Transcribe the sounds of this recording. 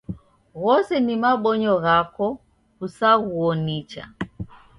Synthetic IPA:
ɣɔsɛnimaɓɔɲɔɣakɔ | usaɣuɔnit͡ʃa̰

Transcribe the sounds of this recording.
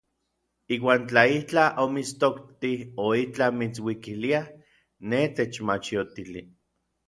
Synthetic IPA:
iːwaːnt͡ɬaiht͡ɬaʔomit͡st̪okt̪ioiht͡ɬamit͡swikilia | net̪et͡ʃmat͡ʃiot̪ili

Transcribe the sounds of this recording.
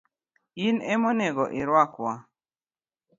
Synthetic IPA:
inɛmɔnɛɡɔʔɪɾwakwa

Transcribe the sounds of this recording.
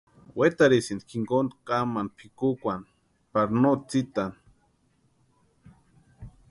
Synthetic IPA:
wet̪aɾisind̪kʰiŋkond̪kamanpʰikukʷan | paɾnot͡sit̪an

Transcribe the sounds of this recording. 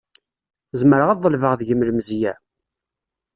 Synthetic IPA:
zəməɾəʁɑðˤːəlvəʁðʝəmlmzjæ

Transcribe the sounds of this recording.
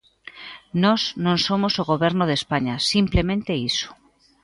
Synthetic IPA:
nɔsnõnsomosoɣoβeɾnoðespaɲasimplemẽnt̪eiso̥

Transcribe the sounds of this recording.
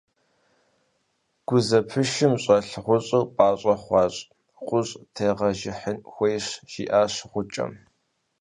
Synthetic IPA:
ɡ̥ʷʊzɐpʰɨʃɪmɕʼɐɬʁʷʊɕʼɨwpʼaːɕʼɐχʷɑːɕʼ | qʷʼʊɕʼtʰeːʁɐʒɪħənxʷejɕʒ̥ḭːʔaːɕʁʷʊt͡ʃʼɐ̰m

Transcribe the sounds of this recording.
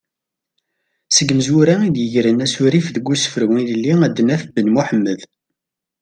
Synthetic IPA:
səɡməzʊɾaid̪jəʝɾənæsʊɾifðəɡːusə̥fəɾwiləlːiæd̪næθbənmuħəmːəð

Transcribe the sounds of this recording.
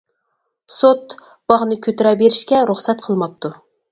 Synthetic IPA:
sot̪ | b̥ɑʁnɨkʲʰøt̪ɪɾɑbeɾɪʃkʲɛɾuχsɛt̪qʰəlˠmɑp̚t̪ʰu

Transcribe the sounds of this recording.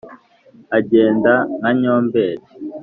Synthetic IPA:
aɟeːndanaɲoːmbeːɾe

